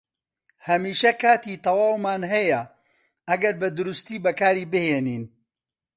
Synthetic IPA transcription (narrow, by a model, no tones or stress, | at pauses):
hɐmiːʃɐkaːt̪iːt̪ɐwaːwmaːnɦɐjɐ | ʔɐɡɐɾbɐd̪ʊɾust̪iːbɐkaːɾiːbɨheːniːn